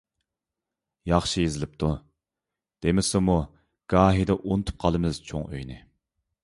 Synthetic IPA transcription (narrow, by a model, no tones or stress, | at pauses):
jɑχʃijezɪlɪp̚t̪ʰu | d̪̥emɪsɪmu | ɡ̥ɑːɦid̪ɛʔont̪ʰu̥p̚qʰɑlˠɨmɪz̥t͡ʃʰo̰ŋø̰jnɪ